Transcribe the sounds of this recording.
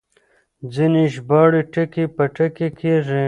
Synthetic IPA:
d͡ziniʃbɑːɽiʈɐkipɐʈɐkekʰeʐe

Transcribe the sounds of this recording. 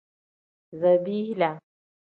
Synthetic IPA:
zɐbihla

